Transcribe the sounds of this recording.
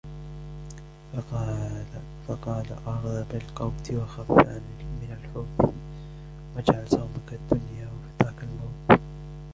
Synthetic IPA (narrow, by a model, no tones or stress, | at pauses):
fɑqɑːla̰ʔɑɾˤðˤɑbɪlqɑwmt̪ʰiwaxafanimɪnalħʊːθ | wad͡ʒʕalsawmakad̪ːʊnjaːwfiðaːkalmoːt̪